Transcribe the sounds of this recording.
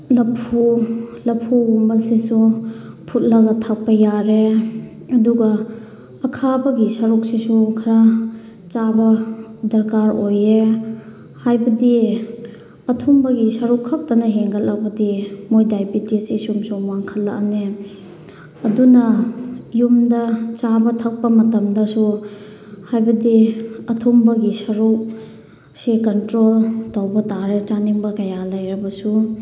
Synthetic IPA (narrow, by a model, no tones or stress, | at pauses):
lɐpʰulɐpʰuumɐlsisupʰut̚lɐɡɐtʰak̚pɐjaɾe | ɐduɡɐː | kʰabɐɡisɐɾuk̚sisukʰɐɾa | t͡ʃabɐdɐɾkaɾoje | hajbɐdi | ɐtʰumbɐɡisɐɾukʰak̚tanɐɦeŋɡɐllak̚bɐdimojdajbitisisumsɔŋwaŋkʰɐlːɐ̰kne | ɐdunɐjumdɐt͡ʃabɐtʰɐk̚pɐmɐtɐmdɐsu | hajbɐdiɐtʰumbɐɡisɐɾuk̚ | sikɐntɾoltawbɐtaɾet͡ʃaniŋbɐkɐjalɐjɾɐbɐsu